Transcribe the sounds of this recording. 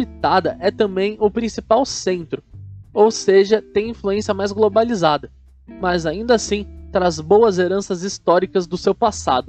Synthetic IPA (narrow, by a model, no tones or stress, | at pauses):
it̪ad̪ɐʔɛt̪ɐ̃mbẽj̃ʊpɾĩsipawsẽnt̪ɾʊowseʒɐt̪ẽj̃ĩfluẽsiɐmajzɡlobalizad̪ɐ | mɐzaĩnd̪ɐasĩt̪ɾazbowɐzeɾɐ̃sɐzist̪ɔɾikɐzd̪ʊsewpasa̰d̪ʊ